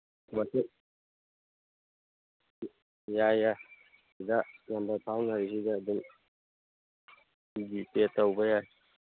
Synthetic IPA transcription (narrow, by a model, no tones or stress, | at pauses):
matʰi | jaja | idalambaɾpʰawnaɾisidad̪in | ɡitetawbajaj